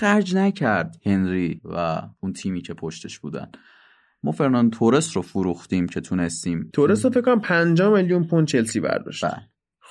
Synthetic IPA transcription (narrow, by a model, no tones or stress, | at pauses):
xæɾd͡ʒnæcʰæɾd̪̥he̞nɾiːvæ̰unt̪ʰiːmiːcʰe̞pʰoʃt̪eʃb̥ṵːd̪æ̰n | mɒːfeɾnɑnt̪ʰoɾesɾofuɾuxt̪imcʰe̞t̪ʰune̞st̪iːmt̪ʰoɾes̬ɾofekːonæampʰænd͡ʒɒːmeljunpunt͡ʃʰe̞lsiːbæ̰ɾd̪ɒ̰ːʃtbæ̰l